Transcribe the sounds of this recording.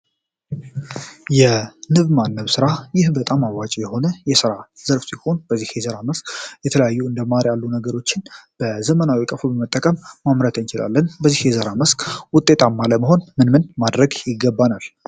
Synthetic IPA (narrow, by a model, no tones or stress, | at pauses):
jɛnɨβmanːəβsɨɾajɪhbət̪ʼamawat͡ʃʼjɛho̞nəjɛsɨɾaz̥əɾfsiho̞nbəzːihjɛzəɾaməskʼjɛt̪ʰələjajːuɨnd̪əmaɾjalːunəɡəɾo̞t͡ʃːɪnb̥əzəmənawikʼəfubəmət̪ʼːəkʼəmːamɾət̪ʰənt͡ʃɪla̰lːənbəzːihjɛzəɾaməskʼwʊt̪ʼːe̞t̪ʰʼamːaləməho̞nmɨnmɨnmad̪ɾəɡjɪɡːəbːanal